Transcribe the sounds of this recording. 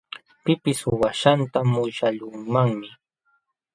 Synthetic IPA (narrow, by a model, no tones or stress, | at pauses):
pɪpɪswaʃant̪amʊʃaʎʊŋmaŋmɪ